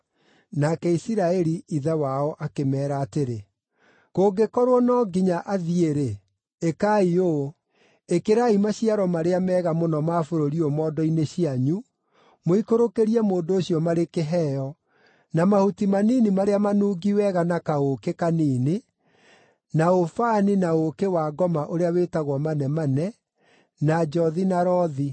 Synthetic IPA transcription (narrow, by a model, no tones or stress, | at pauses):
nakɛisiɾaɛɾiiðawaɔʔakemɛːɾaːteɾe | koːɡekɔɾwɔnɔɡiɲaʔaðieɾe | ekaioː | ekeɾaimaɕiaɾɔmaɾeamɛːɣamonɔmaːfoɾoɾiɔmɔːdɔineɕiaɲu | moikoɾokeɾiɛmoːndooɕjɔmaɾekeɦɛːjɔ | namahutimaniːnimaɾeamanuːɡiwɛɣanakaokekaniːne | naofaːninaokewaːɡɔmaʔoɾeaweːtaɣwɔmanɛmanɛ | nad͡ʒɔðinaɾɔði